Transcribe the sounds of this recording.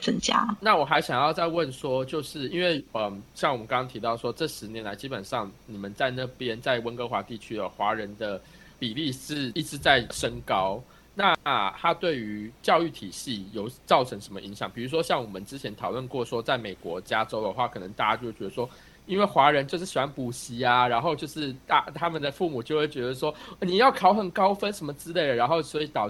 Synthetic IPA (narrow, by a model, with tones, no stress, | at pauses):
t͡sə˥nt͡ɕja̰˥na˥˩wɔ˨˩xa˧˥ɪɕjɑ˨˩ŋjɑ˥˧ʊt͡sa˥˧ɪwə˥˨˩nʂwɔ˥t͡ɕjo˥˧ʊʂɻ̩˥˩i˦˥nwe˥˩ɪə˩ɕjɑ˥˩ŋwɔ˨˩mə˦nkɑ˥ŋɑ˥ŋt̪ʰi˧˥t̪ɑ˥˩ʊʂwɔ˥ʈ͡ʂɤ˥˩ʂɻ̩˧˥njɛ˧˥nla˧˥ɪt͡ɕi˥pə˨˩nʂɑ˥˩ŋni˨˩mə˨˦nt͡sa˥˧ɪna˥˩pjɛ˦nt͡sa˥˩ɪwə˥nkɤ˥xwa˧˥t̪i˥˩t͡ɕʰy˥ə˨˩xwa˧˥ɻə˧˦nd̪ə˧ | pi˨˩li˥˧ʂɻ̩˥˩i˥˩ʈ͡ʂɻ̩˧˥t͡sa˥˩ɪʂə˥ŋkɑ˥ʊ | na˥˧t̪ʰa˥t̪we˥˩ɪy˧˥t͡ɕjɑ˥˧ʊy˥˩t̪ʰi˨˩ɕi˥˩jo˨˩ʊt͡sɑ˥˩ʊʈ͡ʂʰɤ˧˦ŋʂə˧˥mə̰˧ʔi˧˥ŋɕjɑ˨˩ŋpi˨˩ɻu˧˥ʂ̬wɔ˥ɕjɑ˥˩ŋwɔ˨˩mə˨˦nʈ͡ʂɻ̩˥t͡ɕʰjɛ˧˦nt̪ʰɑ˨˩ʊlwə˥˧nkwɔ˥˩ʂwɔ˥t͡sa˥˩ɪme˨˩ɪkwɔ̰˧˥t͡ɕja˥ʈ͡ʂo˥ʊd̪ə˨xwa˥˩kʰɤ˨˩nə˧˦ŋt̪a˥˧˩t͡ɕa˥t͡ɕo˥˧˥e˥˩ɥɛ˧˥ə˧˩ʂwɔ˥ | i˥nwe˥˩xwa˧˥ɻə˧˦nt͡ɕjo˥˧ʊʂɻ̩˥˩ɕi˨˩wa˥npu˨˥ɕi˧˥a˧ɻa˧˥nxo˥˧ʊt͡ɕjo˥˧ʊʂɻ̩˥˧t̪a˧˩t̪ʰa˥mə˨nd̪ə˩fu˥˩mu˨˩t͡ɕjo˥˧ʊxwe˥˩ɪt͡ɕɥɛ˧˥d̪ə˧ʂwɔ˥˧˩ni˨˩jɑ˥˩ʊkʰɑ˨˩ʊxə˨˩nkɑ˥ʊfə˥nʂə˧˥nmə˧t͡sɻ̩˥le˥˩ɪə˩ɻa˧nxo˥˩ʊswɔ˧˥i˧˥t̪ɑ˨˩˥